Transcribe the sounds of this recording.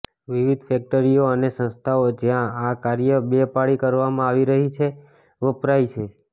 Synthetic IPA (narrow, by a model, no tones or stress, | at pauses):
ʋiʋid̪ʱfɛk̚ʈəɾijoənesə̃nst̪ʰaod͡ʒjãakaɾjəbeəpaɭikəɾʋamãaʋiɾəɦit͡ʃʰe | ʋəpɾait͡ʃʰe